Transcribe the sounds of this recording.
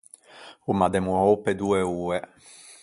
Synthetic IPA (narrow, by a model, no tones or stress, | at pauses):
umad̪ɛmuowpɛd̪uɛuːɛ